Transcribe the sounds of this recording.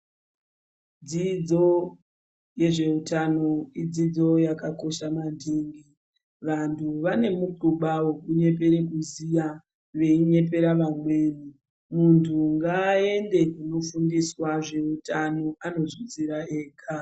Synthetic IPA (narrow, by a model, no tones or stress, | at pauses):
d͡zid͡zo̞ | je̞ʐe̞utano̞id͡zid͡zo̞jakako̞ʃamandʱeːŋɡi | ʋantʰuʋane̞muǃuɓawokuɲe̞p̬e̞ɾe̞kuzija | ʋe̞iɲe̞p̬e̞ɾaʋamweːni | muntʰuŋɡaːe̞nde̞kuno̞fundiswaʐe̞utano̞ano̞zwit͡siɾaeːkʰa